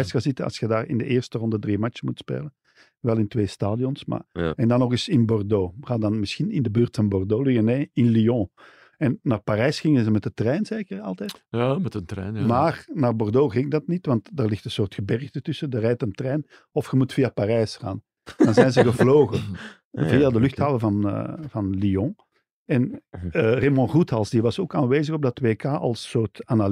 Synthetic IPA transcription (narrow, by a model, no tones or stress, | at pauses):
sxazɪtənɑ̰sxədaːrɪ̰ndəʔeːrstərɔndədrimat͡ʃəmutspḛːlə | ʋɛlˠɪntʋeːstaːdijɔnsma̰ːɛndɑnːɔɣɪsɪnbɔrdoːxaːdɑnmɪsxinɪndəbøːrtfɑnbɔrdoːliəneːɪnliɔ̃ | ɛnːaːrpaɾɛːsxɪŋənzəmɛtətrɛːjnzeːkərɑ̰lˠtɛːtjmɛtəntɾɛ̰ːnjmaːrnaːrbɔrdoːɣɪŋdɑtnitʋɑntdaːrlɪxtə̃nsoːrtxəbɛrɣdətʏsədərɛjtəmtrɛːjn | ɔfxəmutfiːapaɾɛːsxa̰ːn | dɑnzɛjnzəɣəvloːɣə | vijadəlʏxthaːləvɑnə̰vɑnliɔ̃ | ɛn | remɔ̃ruthɑlˠsdiʋɑsoːkaːnʋeːzəɣɔb̚dɑtwʋeːkaːʔɑ̰lˠsːoːrtanal